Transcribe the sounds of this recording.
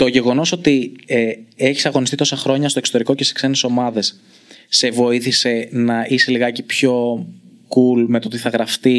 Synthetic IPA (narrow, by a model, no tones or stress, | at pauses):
t̪o̞ʝe̞ɣo̞no̞so̞t̪ieeçi̥sɐɣo̞nist̪it̪o̞sɐxɾo̞ɲɐst̪oesot̪eɾiko̞ce̞si̥skse̞neso̞mɐðe̞sː | e̞vo̞iθise̞nɐise̞liɣɐcepço̞kulme̞t̪o̞t̪iθɐɣɾɐft̪i